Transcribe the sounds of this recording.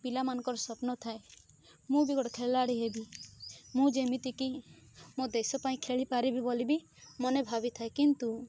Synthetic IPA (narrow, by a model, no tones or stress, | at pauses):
pilamanɔ̃ŋkɔɾɔsɔpnɔt̪ʰae | mũbiɡɔɽɔkʰeɭlaɽiɦebimũd͡ʒemit̪iki | mod̪esɔpaĩkʰeɭipaɾibibolibi | mɔnebʱabit̪ʰaekint̪u